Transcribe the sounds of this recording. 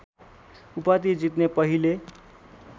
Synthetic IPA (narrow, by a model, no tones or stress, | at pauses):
upat̪id͡zit̪nepʌɦile